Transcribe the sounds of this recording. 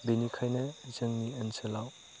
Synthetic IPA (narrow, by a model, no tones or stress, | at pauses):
binikʰajnɐzɯŋniɐnsɐlaw